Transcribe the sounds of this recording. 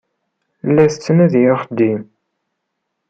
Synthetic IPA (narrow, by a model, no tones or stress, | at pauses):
lːæθət͡sːənæðjoχd̪im